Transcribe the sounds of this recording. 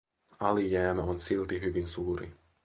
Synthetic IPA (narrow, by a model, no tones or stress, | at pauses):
ɑlijæːmæonsilt̪iɦyʋinsuːɾḭ